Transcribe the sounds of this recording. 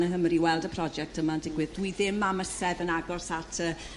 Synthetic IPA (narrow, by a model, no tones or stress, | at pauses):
nəɦəmriwɛlˠdəpʰrɔd͡ʒɛk̚tʰəmaəndɪɡwɨðdwiðɪmaməsɛðənaɡɔsatʰəː